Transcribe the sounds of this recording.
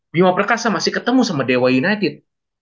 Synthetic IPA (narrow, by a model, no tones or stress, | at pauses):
bimapərkasamasɪhkət̪əmusamadewajunat̪ɪt̪̚